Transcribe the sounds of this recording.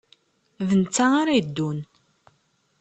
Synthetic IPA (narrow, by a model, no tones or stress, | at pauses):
vənt͡sːaaɾajəd̪ːun